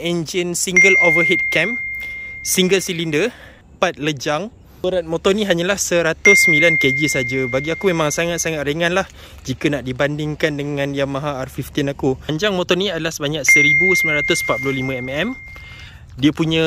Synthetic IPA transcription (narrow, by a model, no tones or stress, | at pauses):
end͡ʒənsiŋɡəlovərɦit̪̚kɛm | siŋɡəlsilində | pat̪̚ləd͡ʒaŋ | uɾat̪̚mõt̪ɔnĩɦaɲalahsəɾat̪ʊsːəmilanked͡ʒisad͡ʒabaɡiakumemãŋsaŋat̪̚saŋat̪̚ɾəŋãnlah | d͡ʒikanaʔdibandɪŋkandəŋãnjamãɦaarfift̪inakuaɲd͡ʒaŋmɔt̪ɔniadalahsəbaɲak̚səɾibusəmbilanɾat̪ʊspat̪̚pulʊhlimə̃ɛmɛm | diəpuɲə̃